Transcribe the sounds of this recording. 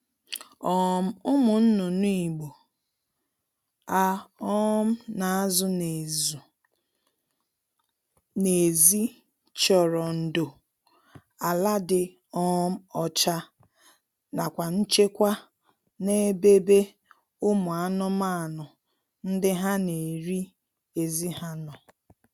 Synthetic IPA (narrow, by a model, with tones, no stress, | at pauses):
ɔ˨m̩˦ʊ˦mʊ˨n̩˦nʊ˨nu˦i˨ɡ͡bo˨ | a˦ɔ˦m̩˦na˨a˦zʊ˦ne˨zu˨ | ne˨zi˦ | t͡ʃɔ˨ɾɔ˨n̩˨do˨ | a˨la˦dɪ˨ | ɔ˦m̩˦ɔ˦t͡ʃa˦ | na˨kʷa˨n̩˦t͡ʃe˦kʷa˦ | ne˦be˦be˦ | ʊ˦mʊ˨a˦nʊ˦ma˦˨nʊ˨ | n̩˦dɪ˦ɦa˦ne˨ɾi˦ | e˨zi˦ha˦nɔ˨